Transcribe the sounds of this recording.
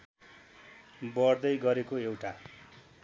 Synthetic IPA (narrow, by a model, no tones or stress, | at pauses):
bʌrd̪ʌjɡʌɾekoewʈa